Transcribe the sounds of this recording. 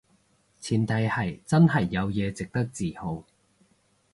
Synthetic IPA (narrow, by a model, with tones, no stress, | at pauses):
t͡sʰiː˨˩nt̪ɐ˨˧jhɐ˨˩jt͡sɐ˥nɦɐ˨˩jːɐ˨˧wjɛː˨˧t͡sɪ˨k̚t̪ɐ˥k̚t͡siː˨˩ho˨˧w